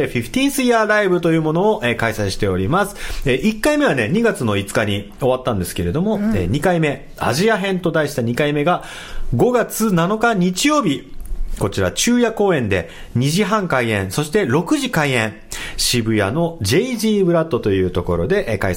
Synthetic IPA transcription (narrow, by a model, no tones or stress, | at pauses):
ɸʲiɸɯ̥t̪ʲĩːɰ̃sɨiaːɾaibɯ̟t̪o̞jɯ̟ːmo̞no̞ːʔekaisaiɕi̥t̪e̞o̞ɾʲimasɨ̥eʔikːaime̞β̞ane̞ɲ̟iɡat͡sɨno̞it͡sɨ̥kaɲ̟i | o̞β̞at̪ːãnd̪e̞sɨ̥ke̞ɾe̞d̪o̞mo̞ḛːɲ̟ikaime̞ | a̰ʑiaɦẽ̞nt̪o̞d̪aiɕi̥t̪aɲ̟ikaime̞ɡa | ɡo̞ɡat͡sɨnano̞kaɲ̟it͡ɕijo̞ːbʲiko̞t͡ɕiɾa̰t͡ɕɨːjako̞ːẽ̞nd̪e̞ | ɲ̟iʑiɦãŋkaiẽ̞ɰ̃so̞ɕi̥t̪e̞ɾo̞kɯ̟ʑikaiẽ̞ɴ | ɕibɯ̟jano̞d͡ʑe̞iʑiːbɯ̟ɾat̪ːo̞t̪o̞jɯ̟ːt̪o̞ko̞̰ɾo̞̰d̪e̞ʔka̰i